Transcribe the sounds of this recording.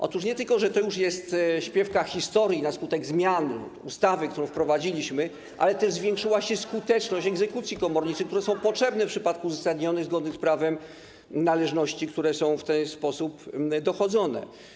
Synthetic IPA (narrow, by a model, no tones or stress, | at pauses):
ʔɔ̰t̪uʂ̬ɲɛt̪ɘlkɔʐɛt̪ɔjuʂjɛst̪ɕpʲjɛfkaxʲist̪ɔɾjinaskut̪ɛɡzmʲjan | ust̪avɘk̚t̪uɾɔ̃w̃fpɾɔvad͡ʑilʲiɕmɘ | ʔa̰lɛt̪ɛzvʲjɛ̃ŋkʂɘwaɕɛskut̪ɛt͡ʂnɔɕt͡ɕɛɡzɛkut̪sʲjikɔmɔɾɲit͡ʂɘk̚t̪uɾɛsɔ̃w̃pɔtʂɛbnɛfpʂɘpat̪̚kuzasad̪ɲɔnɛzɡɔd̪nɘspɾavɛm | nalɛʐnɔɕt͡ɕikt̪uɾɛsɔ̃w̃ft̪ɛnspɔsupd̪ɔxɔd̪zɔnɛ̰